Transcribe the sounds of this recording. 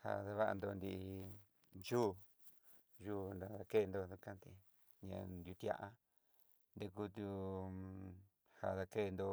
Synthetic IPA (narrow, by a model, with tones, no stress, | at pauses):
ha̰˧ða˧βa˦˧a̰˧nd̪o˧nd̪i˧ | ʒu˦˧ | ʒuː˦˧nd̪a˧ða˧ke˦˧nd̪o˧du˧kã˦nt̪e˧ | ɲã̰˧nd̪ʲju˧t̪i˧a̰˧ʔa˧ | nd̪e˧ku˧t̪u˧ | ha̰˧ða˧ke˦˧nd̪o˧